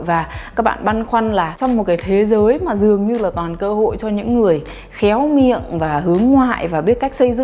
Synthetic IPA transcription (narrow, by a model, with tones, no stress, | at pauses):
vaː˨˩kaː˦˥k̚ɓa̰ː˧˨nɓa˧nxwa˧jnlaː˨˩t͡ɕɔ˧wŋ͡mmo˨˩t̚kaː˨˦jt̪ʰe˨˦zəː˨˦jmaː˨˩zɨ˨˩əŋɲɨ˧laː˨˩kɔ˨˩nkəː˧ho̰˧˨jt͡ɕɔ˧ɲɨ̰˧˥ŋːɨ˨˩əj | xɛ˨˦wmḭ˧˨ənvaː˨˩ɦɨ˨˦əŋːwa̰ː˧˨jvaː˨˩ɓi˦˥ət̚ka˦˥jk̟̚sə˧jzɨ̰˧˨